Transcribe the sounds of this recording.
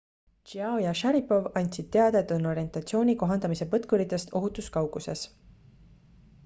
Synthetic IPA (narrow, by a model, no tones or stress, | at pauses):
t͡ʃiɑojɑʃæɾipo̞vɑnʲt̪ʲsid̪̥̚t̪e̞ɑd̪̥e̞t̪ːuno̞ɾie̞nt̪ˑɑt̪sio̞ːnʲiko̞ɦɑnd̪ɑmise̞pɤt̪kuɾit̪ːˑe̞st̪o̞ɦut̪ˑuskɑwɡuse̞s